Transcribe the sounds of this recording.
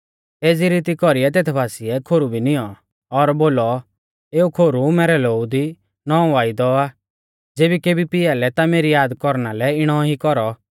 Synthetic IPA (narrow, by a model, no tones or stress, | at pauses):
eːd͡ziɾiːt̪ikɔɾiɛt̪̬eːt̪ʰbaːsiɛkʰoːɾubʱinɪjɔ | ɔɾboːlɔ | eːukʰoːɾumɛːɾɛloːud̪i | nɔ̃ːʋaːid̪ɔa | d͡zeːbikeːbipɪjalɛt̪ameːɾijaːd̪kɔɾnalɛɪɽ̃ɔɦikɔɾɔ